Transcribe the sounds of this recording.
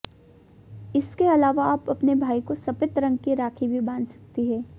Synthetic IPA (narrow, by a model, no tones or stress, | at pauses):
ɪskeɐlaːʋaaːpɐpnebʱaːikosɐpɪt̪ɾɐ̃ŋɡkiɾaːkʰibʱibãːnsɐ̥k̚t̪iɦɛː